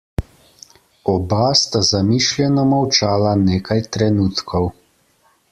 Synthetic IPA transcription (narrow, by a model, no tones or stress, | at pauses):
ɔbast̪azamiʃlʲjɛnɔmawt͡ʃaːlaneːkʰajt̪ɾɛnuːt̪kʰɔw